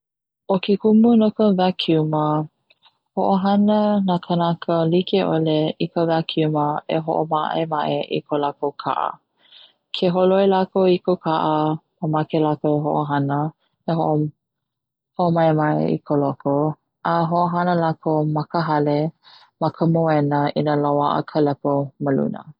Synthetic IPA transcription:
okikumunokəvakʰiumə | hoʔoɦanənakʰənakəlikeʔoleikəvakʰiuməeɦo̰ʔomaʔemaʔeʔḭkʰolakokʰa̰ʔə̰ | kʰeɦoloelakoikokʰaʔəməmakelakoɦoʔoɦanə | eɦoʔo | hoʔomaemaʔḛḭkʰoloko | ʔaɦoʔoɦanəlakʰomɐkəɦɐle | makʰəmoɛnəinalawaʔə̰kʰəlɛpoməlṵnə̰

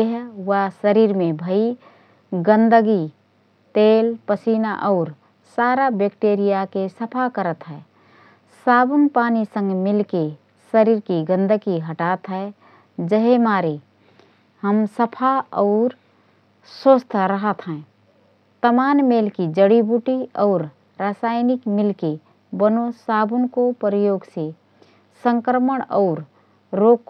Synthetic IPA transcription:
eɦwasəɾiːɾmebʱəi | ɡə̃nd̪əɡi | t̪eːlpəsinaʔɔʊɾ | saːɾabekʈeɾijakesəpʰakəɾət̪ɦɛː | saːbənpaːnisə̃ŋɡmɪlke | səɾiɾkiɡə̃nd̪əɡiɦəʈat̪ɦɛ | d͡ʒəɦemaːɾe | həmsəpʰaɔːɾ | sost̪ʰɾəɦət̪ɦɛ̃ | t̪əmaːnmeːlkid͡ʒəɽibuʈiɔːɾ | ɾaːsaːɪnɪkmɪlke | bənosaːbʊnkopɾjoːɡse | sə̃ŋkɾəməɽ̃ɔːɾ | ɾoːkː

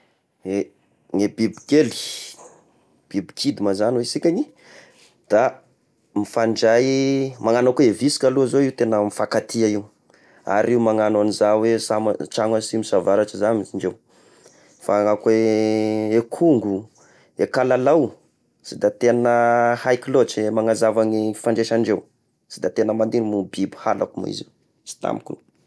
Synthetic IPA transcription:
e | ŋebibikeli̥ | b̥ibi̥kʰid̪imazanwesikʲaɲi | d̪̥a | mifaɳɖ͡ʐajmaŋanakeevisi̥kʲaluazoiut̪enəmifakat̪ʰiaiu | a̰ɾiwumaŋananizawesamaʈ͡ʂaŋasimisavaɾaʈ͡ʂizaniiɳd͡ʒew | faakwe | ekʰuŋɡu | ekalalaw | sid̪at̪enəhajkilot͡semaŋazavaɲifaɳɖ͡ʐeʃaɳɖ͡ʐew | sid̪at̪enəmand̪inmubibu̥hala̰kumḭzḭw | si̥t̪a̰mikṵ

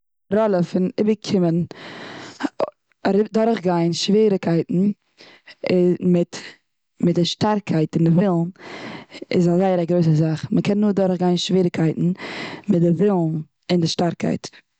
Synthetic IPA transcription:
ɾɔlˠəfɪnɪbəkʰɪmən | aɾɪdɔɾχɡaɪnʃviːɾɪkʰaɪtn̩ | mɪt | mɪtdɪʃtaɾkʰaɪtɪndɪvɪlˠn | ɪ̰zazaɪəɾaɡɾoɪs̬əzaχməkʰɛnːuːɾdɔɾχɡaɪnʃviːɾɪkʰaɪtn̩mɪt̚dɪvɪlˠn | ɪndɪʃtaɾkʰa̰ɪt

